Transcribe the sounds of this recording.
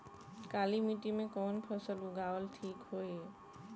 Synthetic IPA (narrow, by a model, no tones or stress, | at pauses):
kalimiʈimẽkɔːnpʰəsəluɡaʋəlʈʰiːkɦoːe